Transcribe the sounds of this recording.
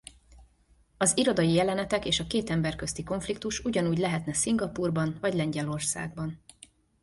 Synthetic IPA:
ɒziɾo̞d̪ɒjijɛlɛnɛt̪ɛkeːʃɒkeːt̪ɛmbɛrkø̞st̪iko̞ɱflik̚t̪uʃuɟɒnuːɟlɛɦɛt̪nɛsiŋɡɒpuːrbɒnvɒɟlɛɲɟɛlo̞rsa̰ːɡ̚bɒn

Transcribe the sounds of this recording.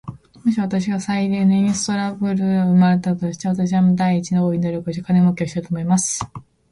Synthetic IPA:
moɕiβ̞at̪aɕ̬iɡasaiɾeːnoĩɰ̃sɨ̥t̪o̞ɾabɯ̟ɾɯ̟ɯmaɾe̞t̪at̪o̞ɕi̥t̪e̞βat̪aɕ̬iβamod̪aiːt͡ɕinooiɲinoɾokoɕt̪ekʰanemokʲio̞ɕi̥t̪ait̪omo̞imasɨ̥

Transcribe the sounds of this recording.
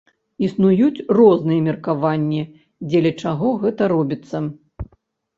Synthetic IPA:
isnujut͡sʲrɔznɨjɛmʲɛrkavanʲːi | d͡zʲɛlʲɛt͡ʂaɣɔɣɛt̪ɐɾɔbʲit̪sːɐ

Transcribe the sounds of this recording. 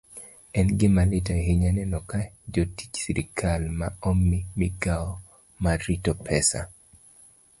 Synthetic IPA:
ɛnɡɪmalɪtaɦiɲanɛnɔkad͡ʒoti̥t͡ʃsiɾḭkʰalmaɔmːimiɡaɔ | maɾitɔpʰɛsa̰

